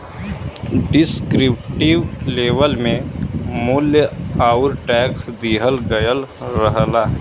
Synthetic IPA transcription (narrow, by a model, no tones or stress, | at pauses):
ɖɪskɾɪp̚ʈiwleːʋəlmẽmʊljəaːʊɾʈɛːksd̪iɦəlɡəjəlɾəɦla